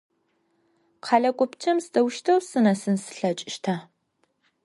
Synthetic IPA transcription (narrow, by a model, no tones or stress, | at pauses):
qʰɑɮɐkʷʼʊpt͡ʃʰɐmsdɐwʃtʰɐwsɨnɐsɨnsɨ̥ɬɐt͡ʃʼɪʃtʰaː